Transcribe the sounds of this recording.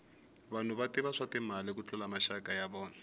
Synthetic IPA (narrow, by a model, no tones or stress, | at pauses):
βan̤uβatiβaʂatimalɪk̬ut͡ɬɛlamaʃakajaβɔːna